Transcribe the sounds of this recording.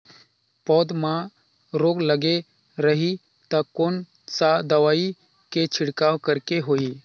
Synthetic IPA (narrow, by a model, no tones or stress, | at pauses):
pɔːd̪mã | ɾoːɡləɡe | ɾəɦi | t̪əkoːn | sad̪əʋaːi | ket͡ʃʰɪɽkaːwkəɾkeɦoːi